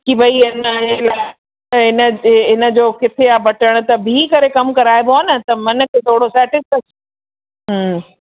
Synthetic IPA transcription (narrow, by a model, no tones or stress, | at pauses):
kibɐiɐnɦeelaː | ɐɦɪnəɦɪnə̆d͡ʑoːkɪt̪ʰeabɐʈʰəɽ̃̆t̪ɐbʱikɐɾekɐmkɐɾaːɪboaːnɐt̪ɐmɐn̆kʰeːt̪ʰoːɽosɛːʈɪskɐs | ɦ